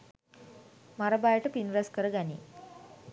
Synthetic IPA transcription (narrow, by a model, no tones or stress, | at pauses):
maɾabajʈəpinɾɐskəɾəɡanḭ